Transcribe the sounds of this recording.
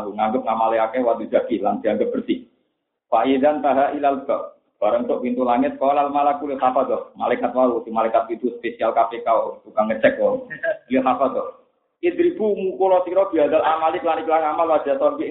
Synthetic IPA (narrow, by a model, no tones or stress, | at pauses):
uŋaŋɡəp̚ŋamaleakɛwat̪ud͡ʒ̥akilaŋd̪̥iaŋɡəp̚b̥ərsih | faʔidant̪aɦaʔilalɡɔ | b̥aɾəŋtoʔpint̪ulaŋɪt̪̚kɔlalmalakulsafad̪ɔhmalajkat̪̚waɾusihmalajkat̪̚pint̪uspesialkapekat̪ukaŋːət͡ʃɛk̚ɔliəsafat̪ɔh | id̪ɾibumukulɔsiɾɔb̥iadalamaliklaniklaŋamalwad͡ʒ̥asɔnki